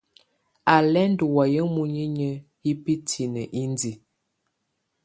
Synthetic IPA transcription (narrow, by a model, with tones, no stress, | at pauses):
a˨lɛ˦n˦du˨wa˨jə˦mu˦ɲə˦ɲə˦ | ji˦pi˦tʰi˨nə˨ʔi˦ndi˨